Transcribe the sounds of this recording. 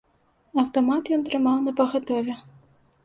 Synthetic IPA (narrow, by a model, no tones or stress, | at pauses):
ɐwt̪ɔmat̪jɔnt̪ɾɨmawnɐpɐɣɐt̪ɔvʲɛ